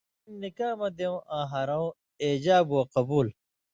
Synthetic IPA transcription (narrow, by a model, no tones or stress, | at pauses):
mnikaːmɐd̪ew̃ʔãːɦɐɾãw̃ | eːd͡ʑaːbuwɐqɐbuːl